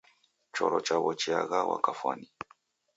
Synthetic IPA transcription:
t͡ʃɔɾɔt͡ʃawɔt͡ʃiaɣawa̰kafwani

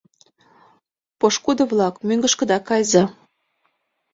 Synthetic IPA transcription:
poʃkud̪ɤ̆βlɑkmyŋɡə̆ʃkə̆d̪ɑkɑjzɑ

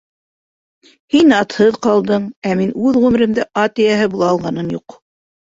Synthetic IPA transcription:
hinɑt̪hɤðqɑlˠd̪ɤɴæminʉðʁʉmɘ̆ɾɘ̆md̪ɘʔɑt̪ɘjæɦɘbulˠɑːlˠʁɑnɤnjuq

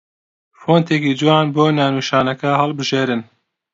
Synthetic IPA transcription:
foːnt̪eːkiːd͡ʒɨwɑːnboːnanuːʃɑːnɐkɐhɐlbɨʒeːɾɨn

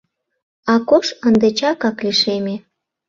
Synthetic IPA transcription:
ɑkoʃənd̪et͡ɕɑkɑkliʃeme

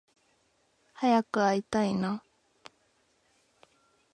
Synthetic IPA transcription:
hajakɯajt̪ajna

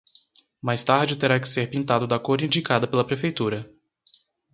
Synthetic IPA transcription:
majst̪aɾd͡ʒɪt̪eɾakɪ̥seɾpĩnt̪ad̪ʊd̪ɐkoɾĩd͡ʒikad̪ɐpelɐpɾefejt̪uɾɐ

